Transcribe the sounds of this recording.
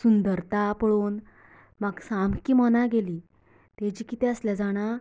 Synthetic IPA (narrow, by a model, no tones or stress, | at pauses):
sund̪əɾt̪apəɭoːn | maɡsamkiːməñaɡeliː | t̪ed͡ʑiːkit̪ɛəsljad͡zaɽ̃a